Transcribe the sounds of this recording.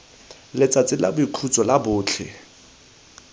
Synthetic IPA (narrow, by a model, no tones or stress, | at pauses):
lɪt͡sʼat͡sʼɪlabʊikʰut͡sʼɔlabʊːt͡ɬʰɛ̰